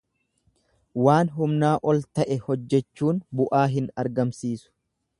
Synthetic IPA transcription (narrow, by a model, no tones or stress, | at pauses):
waːnɦʊmnaːʔɔlt̪ɐʔɛhɔd͡ʒːɛt͡ʃːuːnbʊʔaːɦɪnɐɾɡɐmsiːsʊ̥